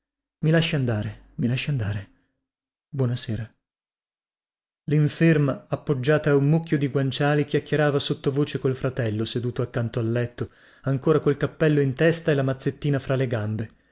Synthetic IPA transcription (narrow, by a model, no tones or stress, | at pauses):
milaʃːiand̪aːɾe | milaʃːiand̪aːɾe | bwɔnaseːɾa | liɱfermaːpːod͡ʒːaːt̪aːumːukʰʲːjod̪iɡwant͡ʃaːlik̟jakːeɾaːvasot̪ːovoːt͡ʃekolfɾat̪ɛlːosed̪uːt̪oakːant̪oalːɛt̪ːo | aŋkoːɾakolkapːɛlːoint̪ɛst̪aelamat̪sːet̪ːiːnafɾaleɡambe